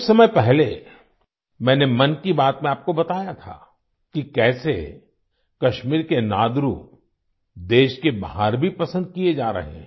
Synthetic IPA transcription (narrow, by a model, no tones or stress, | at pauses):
ssɐməjpɛɦle | mɛ̃ːnemɐnkibaːt̪mẽaːp̚kobɐt̪aːjat̪ʰa̰ː | kikɛːsḛ | kɐʃmiːɾkenaːd̪ɾu | d̪eːʃkebaɦaːɾbʱipɐsə̃nd̪̚kied͡ʒaːɾɐ̰ɦḛ̃